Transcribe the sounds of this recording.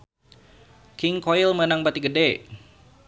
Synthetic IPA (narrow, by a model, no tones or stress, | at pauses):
kɪŋkoilmənaŋbat̪iɡədɛ